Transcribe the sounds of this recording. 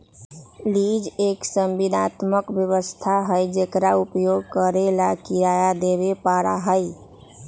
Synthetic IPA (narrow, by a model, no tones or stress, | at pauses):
lid͡ʒeksəmbinat̪məkbjəβəst̪ʰaɦəjd͡ʒekɾaupjoɡkəɾelakiɾajad̪eβepaɾa̰ɦəj